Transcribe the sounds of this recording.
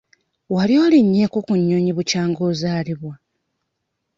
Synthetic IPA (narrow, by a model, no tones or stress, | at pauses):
waljo̞ːliɲːeːkokuɲːoɲiβucaːŋɡoːzaːliβwa